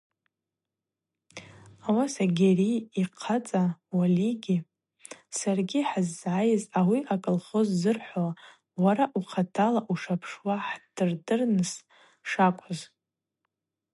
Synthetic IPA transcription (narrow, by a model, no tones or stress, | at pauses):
awasaɡʲeriiqʰat͡sʼawaliɡʲi | sarɡʲiħazːʕajɪzawiʔakʼɨlχəzːɨrħʷoa | waɾaʔuχʰatʰalaʔuʂapʰʂwaħd̥ɨrdɨrnɨs | ʂakʷʰʼʊz